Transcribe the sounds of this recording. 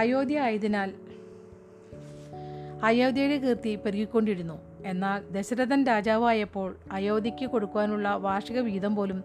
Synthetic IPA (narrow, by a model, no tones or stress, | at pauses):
ajo̞ːd̪jɐaːjɐðinaːl | aːjoːd̪jɐjɽekirt̪ipɐɾiɣikʲːo̞ɳɖiɾunːu | e̞nːaːld̪e̞ɕɐɾɐðɐnɾaːd͡ʑaːʋaːjɐpːo̞ːɭaːjo̞ːd̪ɐkʲːɨko̞ɽukːuʋaːnuɭːɐʋaːʂɐɣɐʋiːðɐmpo̞ːlum